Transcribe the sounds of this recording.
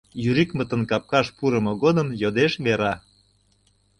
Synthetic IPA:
jyɾikmət̪ə̆nkɑp̚kɑʃpuɾəmɤ̆ɣod̪əmjod̪eʃβeɾɑ

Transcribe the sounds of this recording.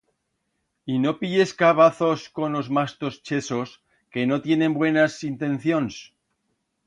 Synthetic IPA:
ino̞piʎe̞skaβ̞aθo̞sko̞no̞zmast̪o̞st͡ʃe̞so̞s | ke̞no̞t̪je̞nẽ̞mbwe̞nasint̪ẽ̞n̟θjo̞ns

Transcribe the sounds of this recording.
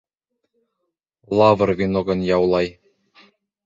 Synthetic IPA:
lˠɑvɤ̆rvʲinoɡɤ̆njɑwlˠɑj

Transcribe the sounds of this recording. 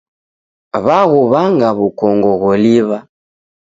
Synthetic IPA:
βaɣuβaŋɡaβukɔŋɡɔɣɔliβa

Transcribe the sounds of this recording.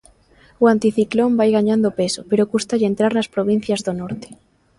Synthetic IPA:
oant̪iθiklombajɣaɲãnd̪opesopeɾokust̪aʎent̪ɾaɾnaspɾoβ̞in̟θjazðonoɾt̪e̥

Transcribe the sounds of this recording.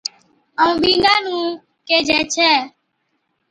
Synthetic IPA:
əũːɓĩːŋɡãːnũː | keːd͡ʒʱɛ̃ːt͡ʃʰɛː

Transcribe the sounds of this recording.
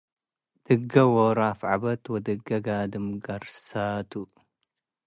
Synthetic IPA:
d̪̥ɨɡɐwɔɾafʕabɐt̪wɔd̪ɨɡːɐɡad̪ɨmɡɐɾsat̪ʰu

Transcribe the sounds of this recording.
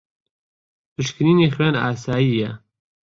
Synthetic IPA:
pʰɨʃkɾiːneːxweːna̰ːsaːjijɛ

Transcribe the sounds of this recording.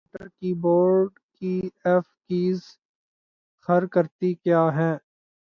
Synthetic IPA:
ʈəɾkiboːɾɖkiɛːfkiːz | xəɾkəɾt̪ikjaːɦɛ̃ː

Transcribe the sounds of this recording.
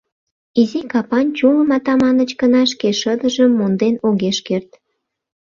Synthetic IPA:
izikɑpɑnt͡ɕuməmɑt̪ɑmɑnət͡ɕkənɑʃ̬keʃəd̪əʒəmːond̪enoɣeʃkert̪

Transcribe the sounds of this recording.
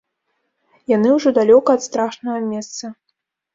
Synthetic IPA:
janɨwʐɔd̪alʲɔkɐːt̪st̪ɾaʂnɐɣɐmʲɛst̪sɐ

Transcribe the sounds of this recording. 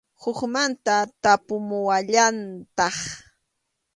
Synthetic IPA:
hʊkmant̪at̪apʊmʊwaʎant̪ɑχ

